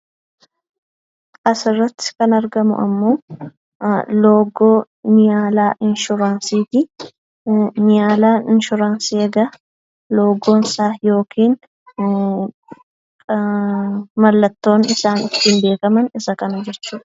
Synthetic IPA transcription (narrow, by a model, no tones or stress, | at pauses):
ɐsɪrːɐt̪ːɪ̥kɐnɐɾɡɐmʊ̰ʔɐ̰mːo̞ː | loːɡoː | mɪjaːlaːʔɪnʃʊɾaːnsiːt̪i | mɪjaːlaːnɪnʃʊɾaːnsieɡɐ | lo̞ːɡo̞ːnɪsaːjo̞ːkʰiːn | mɐlːɐt̪ːo̞ːnɪsaːnɪt̪ːiːnbe̞ːkɐmɐnɪsɐkɐnɐd͡ʒɛt͡ʃːuːᶑɐ̥